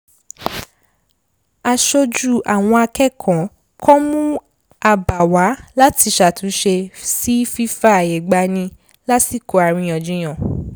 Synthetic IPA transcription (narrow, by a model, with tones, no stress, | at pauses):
a˨ʃo˧d͡ʒu˦˨ʔa˨w̃ɔ̃˧a˧kɛ˦˨kʰã˨ | kʰɔ˦mũ˦ | a˧ba˨wa˨˦la˦ti˧ʃa˨tũ˨˦ʃe˧si˦fi˦fa˦a˨je˨ɡ͡ba˧nĩ˧ | la˦si˦˨ko˨˧a˨ɾ̃ĩ˧j̃ɔ̃˨d͡ʒũ˨˦j̃ɔ̃˨